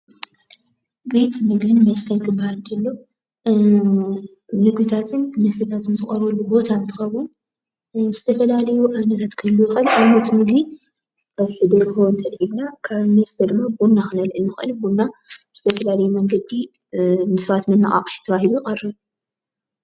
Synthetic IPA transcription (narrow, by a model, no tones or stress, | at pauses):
bit̪mɨɡbɨnmɐst̪ʰɐnkʰɨbːahald̪ɐlːo | nɨɡit̪ʰat̪ʰɨnmɐst̪ɐt̪ʰat̪ʰɨnzɨχʼɐɾulːubo̞t̪ʰaɨnt̪ʰɨ̥xɐβu | zɨt̪ʰɐfɐlalɐjuʔaβnɐɾat̪kʰɨlːujɪxɨlʔawnɐt̪mɨɡi | ɐβħɨd̪oɾhoɨnt̪ʰɐɾʔibnakʰaβnɐst̪ʰɐd̪ɨmːabunaxɨnɐlʔɨnːɨxʔɨ̰libunaz̥ɨt̪ʰɐfɐlalɐjumɐŋɡɐd̪i | nɨsɐβat̪mɨnːɨʔʼa̰qʼħt̪ʰɐβahilujɪxʼɐrːɨ